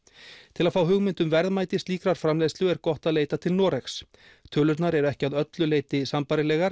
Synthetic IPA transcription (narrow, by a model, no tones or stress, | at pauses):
t̪ʰɪlaðfaːwɦʏɣmɪnt̪ʏmvɛɾðmaːjt̪ɪst̪liːkɾaɾ̥fɾamlejst̪ʏɛɾkɔht̪aðleːjt̪at̪ʰɪlnɔːɾɛxs | t̪ʰœːlʏt̪naɾɛɾɛhcɪaðœt̪lʏleːjt̪ɪsampaɾɪlɛːɣaɾ̥